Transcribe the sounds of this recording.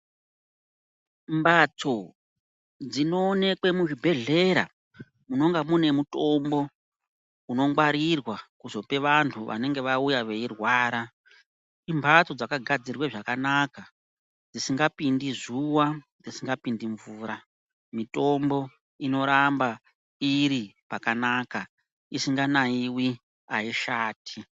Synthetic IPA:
mbat͡so̞ | d͡zino̞ːne̞kwe̞muʒibʱe̞ɮe̞ɾa̰ | muno̞ŋɡamune̞muto̞mbo̞ | uno̞ŋɡwaɾirwakuzo̞pe̞ʋantʰuʋʔa̰ne̞ŋɡe̞ʋaujaʋe̞irwaːɾa | imbʱat͡so̞d͡zakaɡʱad͡zirweʐakanaka | d͡zisiŋɡapindizuwa | d͡zisiŋɡapindiɱvuːɾa | mito̞mbo̞ | ino̞ɾamba | iɾipakanaːka | isiŋɡanaiwi | aiʃaːtʰi

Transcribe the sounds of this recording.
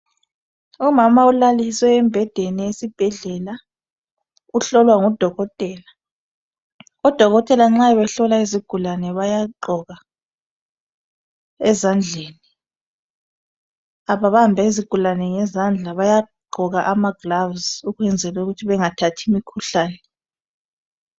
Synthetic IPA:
umamaulaliswɛɛmbʱɛd̥ʱenijesib̥ʱɛɮɛla | uɬɔlwaŋud̥ʱɔɣɔtʼɛːla | ɔd̥ʱɔɣɔtʼɛlaŋ͡ǁaɛβɛɬɔlaiziɡ̥ʱulanɛβajaǃɔɣa | ɛzand͡ɮʱeːni | aβaβambʱaiziɡ̥ʱulanɛŋɛzand͡ɮʱaβajaɡ͡ǃʱɔɣaʔamaɡ̥lavzuɣwɛnd͡zʱɛlauɣutʰiβɛŋatʰatʰimikʰuɬaːnɛ

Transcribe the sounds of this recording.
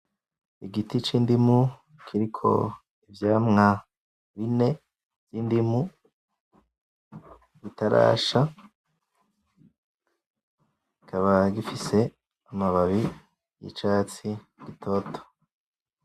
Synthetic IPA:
iɡitit͡ʃiːndimu | kʰiɾikʰo̞̰ | ivjaːmŋa | βine̞ | vj̥iːndimu | ɡitaɾa̰ːʃa | ikʰaβaɡifise̞ | amaβaβi | jḭt͡ʃaːt͡si | ɡ̥itʰotʰo̥

